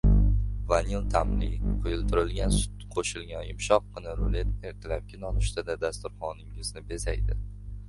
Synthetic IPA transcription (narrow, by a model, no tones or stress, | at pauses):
vanilˠt̪ʰamlɪqʰojʊlˠt̪ʰʊɾɪlɡʲansʊ̥t̪qʰoʃɪlɡʲanjɪmʃɒqːɨnɪɾolet̪eɾt̪ʰɪlap̚kʲʰɪnɒnʊʃt̪ʰad̪ad̪ast̪ʊɾχɒnɪŋɪznɪbe̞sajd̪ɪ